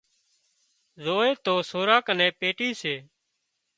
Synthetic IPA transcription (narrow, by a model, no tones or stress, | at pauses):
zoːeːt̪oːsoːɾaːkənẽːpeːʈiːseː